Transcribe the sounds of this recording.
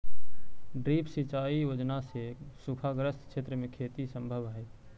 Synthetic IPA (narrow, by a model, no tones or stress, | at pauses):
ɖɾipsit͡ʃaːijod͡ʒnasesupʰaɡɾəskʃʰet̪ɾəmẽkʰet̪isəmbʱəbae